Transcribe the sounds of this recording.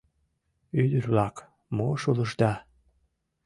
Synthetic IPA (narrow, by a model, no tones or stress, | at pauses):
yd̪ərβlɑk | moʃuləʒd̪ɑ